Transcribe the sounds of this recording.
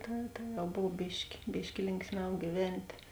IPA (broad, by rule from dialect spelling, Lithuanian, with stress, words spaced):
ˈtɐ tɐ jɛʊ ˈboːw ˈbʲɪʃʲkʲɪ ˈbʲɪʃʲkʲɪ ˈlʲɪŋksʲˌmʲɛʊ ɡʲiːˈʋʲɛnʲtʲeː